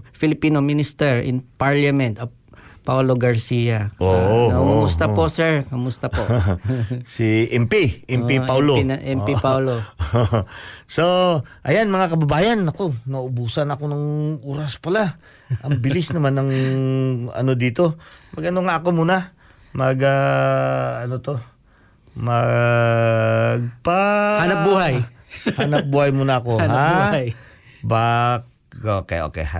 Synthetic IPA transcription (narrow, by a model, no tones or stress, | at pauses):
fɪlɪpiːnominɪst̪ɛɹɪ̰npaɹlɐmɛnt̪ɐ | pawloɡɐɹsijakoʔɐʊmʊmʊst̪apo̞ʔsɛɹkʊmʊst̪apoʔ | siʔɛmpiʔɛmiawlonʔɛmpipawloosoʔɐjanmɐŋakɐbɐbaːjɐnɐko̞mɐʔʊbuːsɐnɐko̞nɐŋʔuːɾɐspɐla | ʔɐŋbɪlɪsnɐmanːɐŋ | ɐ̰no̞d̪iːt̪o̞mɐɡɐnoŋaʔɐko̞muːna | mɐɡa | ɐno̞t̪o̞ | mɐ | ɡ̚pahanɐbuːhaj | hanɐp̚buːhɐjmuːnɐɐko̞nɦaj | bak | okḛʔo̰kɛ̰jha̰